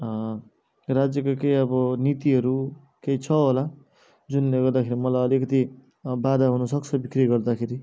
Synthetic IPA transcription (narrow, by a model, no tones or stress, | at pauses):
rad͡zjʌkokejʌbʌnit̪iɦʌɾu | kejt͡sʰʌɦola | d͡zunleɡʌrd̪akʰeɾimʌlajʌlikʌt̪i | bad̪aɦunʌsʌk̚t͡sʰʌbikriʌɡʌrd̪akʰeɾi